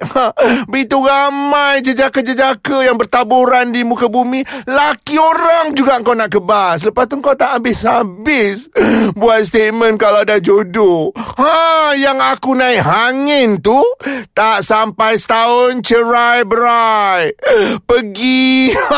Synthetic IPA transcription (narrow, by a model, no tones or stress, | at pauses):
bəit̪uramajd͡ʒəd͡ʒakad͡ʒəd͡ʒakəjaŋbərt̪aboɾandimukabumĩlakioɾaŋd͡ʒuɡaəŋkawnaʔkəbasələpast̪uŋkawt̪aʔambɪshabɪsbuat̪̚st̪et̪̚mə̃nkalawadahd͡ʒodohajaŋakunãɪʔɦaŋɪnt̪utt̪aʔsampajsə̥t̪aʊnt͡ʃəɾajbəɾajpəɡi